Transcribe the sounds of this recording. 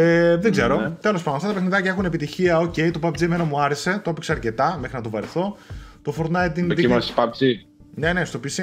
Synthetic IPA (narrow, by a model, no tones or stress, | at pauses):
eðeɡze̞ɾot̪e̞lospɐndoɐft̪ɐt̪ɐpexniðɐcɐe̞xunepit̪içiɐo̞ce̞ijt̪opɐpd͡zieme̞nɐmuɐɾe̞se̞t̪oɐpikseɐɾce̞t̪ɐmexɾinɐt̪ovɐɾeθo̞t̪ofoɾnɐjt̪ind̪iimɐsipɐp̚t͡si | ne̞ne̞st̪o̞pisi